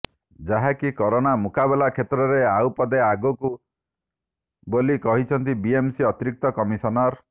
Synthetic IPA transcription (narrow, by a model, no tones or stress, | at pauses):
d͡ʒaɦakikɔɾonamukabelakʰet̪ɾɔɾeawpɔd̪eaɡɔku | bolikɔɦit͡ʃʰɔnt̪ibiemsiɔt̪iɾik̚t̪ɔkɔmisɔnɔɾ